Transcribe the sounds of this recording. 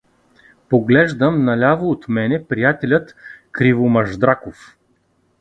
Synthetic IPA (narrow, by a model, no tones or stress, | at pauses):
poɡlɛʒd̪əmnɐlʲavoːt̪mɛnɛpɾijat̪ɛlʲət̪kɾivomɐʒd̪ɾakof